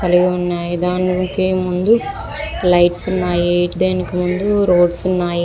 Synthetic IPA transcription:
kɐliɡiunːaːjid̪aːnikeːmund̪u | lɐjʈsunːaːjid̪eːnikimund̪uɾoːɖsunːaːji

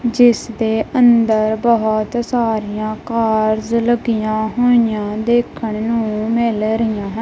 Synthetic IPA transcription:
d͡ʒɪsd̪eːʔənd̪əɾbəɦʊt̪saːɾijãːkaːɾzləɡijãːɦoːɪjãːd̪eːkʰəɳnũːmɪlɾɪjãːɦə

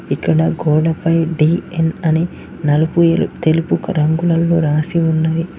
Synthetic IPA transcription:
ikːɐɽɐɡɔːɽɐpɐjɖiːenɐni | nɐlupuelṵt̪e̞lupukɐɾɐŋɡulɐlːoːɾaːsiunːɐji

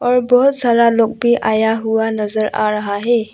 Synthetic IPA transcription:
ɔɾbɔt̚zaɾalɔk̚biʔajaɦuwanɐzəɾa̰ɾaɦaɦe

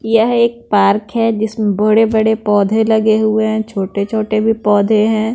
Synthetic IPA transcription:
jɐɦeːk̚paːɾkɦɛd͡ʒɪsmẽbɐɽebɐɽepɔːd̪ʱẽlɐɡeɦʊeɦɛ̃t͡ʃʰoːʈet͡ʃʰoːʈebʱipɔːd̪ʱeɦɛ̃ː

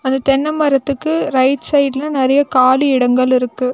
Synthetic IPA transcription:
ɐnd̪ɐʈ̪ɛnːɐmɐɾɐt̪ːɯkːɯɾɐɪʈsɐɪɖlɐnɪɾɐjɐkaːliɪɽɐŋɡɐɭɪɾɯkːɯ

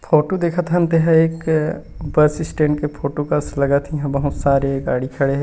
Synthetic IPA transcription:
pʰoːʈod̪eːkʰat̪ɦɐ̃nt̪eɦɛeːk | bɐɾsɪsʈẽːɳʈkepʰoːʈokɐslɐɡat̪ʰĩɦɛ̃bɐɦʊt̪saːɾeɡaːɽikʰɐɽeɦɛ̃

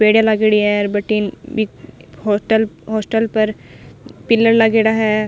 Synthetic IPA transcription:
peːɽjalɐɡeɽiɦɛɾbəʈiːnbihɔʈəlɦɔːsʈəlpɐɾ | pɪlːəɾlɐɡeːɽaɦɛː

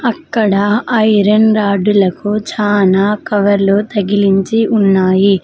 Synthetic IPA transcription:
ɐkːɐɽɐɐjɾɐnɾaːɖulɐkut͡ʃaːnaːkɐʋɐɾlut̪ɐɡiliɲt͡ʃiʔunːaːji

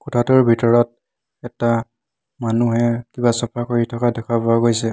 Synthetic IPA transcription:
kɔtʰatʊɹbʱitɔɹɔt̚ | ɛta | manuɦɛkibasɔpʰakoɹitʰɔkadɛkʰabɔaɡojsɛ

